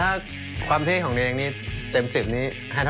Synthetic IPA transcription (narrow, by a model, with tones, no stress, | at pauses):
aː˥˩ | kʰwaː˧mt̪ʰiː˥˩kʰɔː˩˦ŋt̪e˧eː˧ŋniː˦˥˩t̪e˧msi˨˩p̚niː˦˥ | haː˥˩t̪ʰ